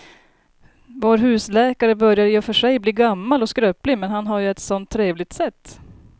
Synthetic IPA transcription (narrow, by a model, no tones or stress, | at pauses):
voːɾɦʉ̟ːslɛːkaɾəbœɾjaɾjəfœʂɛjbliːɡamːalɔskɾøːplɪmɛnɦanɦaɾjɵɛt̪sɔnt̪ʰːɾeːvlɪɡ̚t̪sɛt̪ː